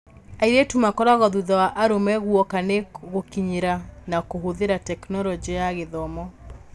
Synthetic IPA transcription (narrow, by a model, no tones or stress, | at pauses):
aiɾetumakɔɾaɣɔðuðawaʔaɾomɛɣwɔkaneɣokiɲeɾanakoɦoðeɾatɛknɔlɔd͡ʒijaɣeðɔmɔ